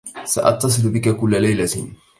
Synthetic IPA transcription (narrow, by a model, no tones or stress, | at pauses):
sa̰ʔɑ̰t̪ːɑs̬ˤɨlbɪkakʊlːalajla